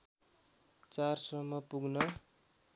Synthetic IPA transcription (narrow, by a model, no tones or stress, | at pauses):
t͡sarsʌmːʌpuɡnʌ